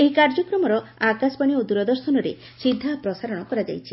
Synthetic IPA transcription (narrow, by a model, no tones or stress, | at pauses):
eɦikaɾd͡ʒɔkɾɔmɔɾɔakaspaɽ̃iod̪uɾɔd̪ɔɾsɔnɔɾḛ | sid̪ʱːapɾɔsaɾɔɽ̃ɔkɔɾad͡ʒa̰jt͡ʃʰi̥